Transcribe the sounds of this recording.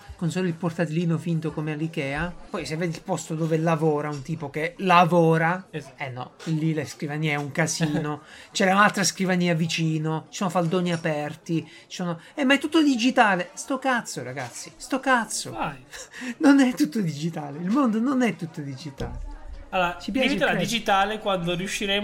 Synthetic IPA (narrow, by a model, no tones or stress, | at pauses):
konsoːlilport̪at̪iliːnofint̪okomealikɛːapɔjsevːeːd̪ilpɔst̪od̪oːvelavɔːɾaunt̪iːpokelavɔːɾaenːɔ̰lːileskɾivaniːɛuŋkasiːnot͡ʃɛɾaunalt̪ɾaskɾivaniːavit͡ʃiːnot͡ʃisonofald̪oːniapɛrt̪i | t͡ʃi̥sono | ɛmːajt̪ut̪ːod̪id͡ʒit̪aːlest̪ɔkat̪sːoɾaɡat̪sːist̪ɔkat̪sːo̰ | nonɛt̪ːut̪ːod̪id͡ʒit̪aːleilmond̪ononɛt̪ːut̪ːod̪id͡ʒit̪aːlealoɾat͡ʃip̬jait͡ʃt̪eɾad̪id͡ʒit̪aːlekwand̪oɾiuʃːiɾeː